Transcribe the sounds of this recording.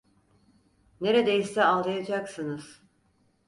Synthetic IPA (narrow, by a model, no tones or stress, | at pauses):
ne̞ɾed̪ejisɛalˠd̪ajad͡ʒaksɯnɯz̥